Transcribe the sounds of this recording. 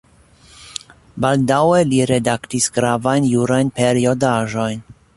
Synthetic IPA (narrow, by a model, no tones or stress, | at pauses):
baldaweliɾe̞daktisɡɾavajnjuɾajnpe̞ɾio̞daʒo̞jn